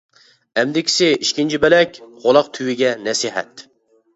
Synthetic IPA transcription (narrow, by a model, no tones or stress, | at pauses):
ɛmd̪ɪkʲʰɪ̥sɪiʃkʲint͡ʃʰibɛlɛkʲʁolˠɑqt̪ʰywɪɡʲɛnɛsiɦɛ̰t̪